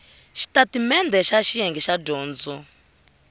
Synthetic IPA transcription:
ʃi̥tatimɛnd̪ɛʃaʃiɛŋɡɛʃaɟɔːnd͡zɔ

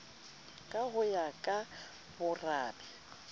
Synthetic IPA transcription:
kʼaɦʊjakʼa | bʊraːbɛ

